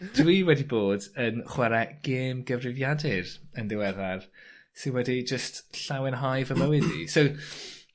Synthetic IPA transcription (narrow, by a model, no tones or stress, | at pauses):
d̥wiːwɛdiboːdənχwɛɾɛɡ̥eːmɡəvrɪvjadɪrəndɪwɛðarsɪnwɛdid͡ʒəstɬawɪnɦɔjvəməwɪdḭsow